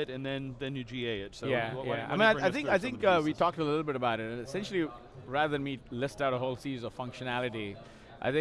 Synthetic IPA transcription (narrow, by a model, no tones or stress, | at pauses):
ɪɾɨ̃nðɨ̃nðɨ̃njɨd͡ʒieɪɪtsojæja̰ɪmĩnaɪaɪθɪ̃ŋkaɪθɪ̃ŋkʌwitʰɔk̚təlɪɪɾl̩ˠbɪɾəbaʊɾɪtɨ̃nɨsɛ̃nʃl̩ˠi | ɹæðə˞ðɨ̃nmilɪstaʊɾəɦoʊlˠsiɾizʌv̥fʌ̃ŋkʃɨnælˠɨɾi | ʔa̰ɪθɪ̃